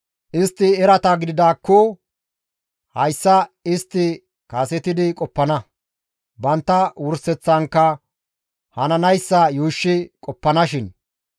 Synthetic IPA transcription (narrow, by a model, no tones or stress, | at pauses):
ʔɪst̪ːɪɛɾɐt̪ɐɡɪd̪ɪd̪aːkːɔ | hɐjsːɐɪst̪ːɪ | kaːsɛt̪ɪd̪ɪkʼɔpːɐnɐ | bɐnt̪ːɐwʊɾsɛt͡sːɐŋkːɐ | hɐnɐnɐjsːɐjuːʃːɪkʼɔpːɐnɐʃɪn